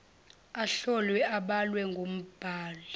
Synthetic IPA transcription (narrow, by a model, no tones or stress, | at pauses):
aɬɔlwɛʔaɓalwɛŋɡʱom̩b̥ʱaːla